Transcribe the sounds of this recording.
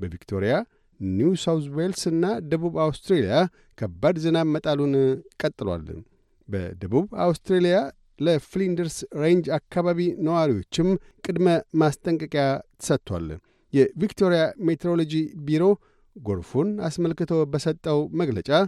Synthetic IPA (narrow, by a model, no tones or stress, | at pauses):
bəvikt̪ʰo̞̰ɾija | nuusawt̪welsɨnːad̪əβuβawst̪ɾelija | kʰəbːad̪zɨnaβmːət̪ʼalunkʼət̪ʼːɨlwa̰l | bə̰d̪əβuβa̰wst̪ɾelija | ləflind̪əɾsɾend͡ʒakːaβaβinəwaɾiwo̞t͡ʃːɪm | kʼɨd̪məmast̪ʼəŋkʼɨkʼjat̪ʰə̥sət̪ʰːwa̰l | jɛvikt̪ʰo̞ɾijamet̪ʰeɾolo̞d͡ʒibiɾo̞ | ɡo̞̰ɾfona̰sməlkɨt̪ʰobəsət̪ʼːəwməɡlət͡ʃʼa